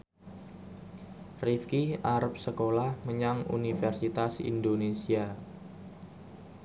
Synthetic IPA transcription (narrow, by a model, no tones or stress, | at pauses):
rifkiaɾəp̚səkolahməɲaŋṵnifɛrsit̪asḭndonesia